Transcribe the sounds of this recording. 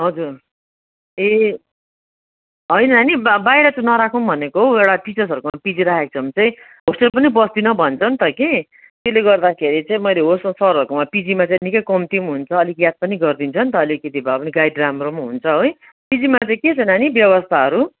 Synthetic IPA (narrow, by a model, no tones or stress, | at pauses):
ɦʌd͡zur | e | ɦʌjnʌnanibajɾʌt͡sãnʌɾakʰunbʱʌnekoɦoewɽaʈit͡sʌrsʌɾukomapid͡ziɾakʰek̚t͡sʰʌmt͡saĩ | ɦosʈʌlpʌnibʌsd̪inʌbʱʌnt͡sʰʌnt̪ʌke | t̪eleɡʌrd̪akʰeɾit͡saĩmʌjleɦossʌɾʌɾukomapid͡zimat͡saĩnikʌjkʌmt̪imɦunt͡sʰʌːlikjad̪̚pʌniɡʌrd̪int͡sʰʌnt̪ʌːlikʌt̪ibʱapʌniɡajdramromɦunt͡sʰʌɦoj | pid͡zimat͡saĩket͡sʰʌnanibjʌβʌst̪ʰaɦʌɾu